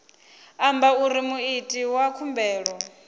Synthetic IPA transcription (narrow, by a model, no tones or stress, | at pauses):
ambauɾimuitʼiwakʰumbɛːɺɔ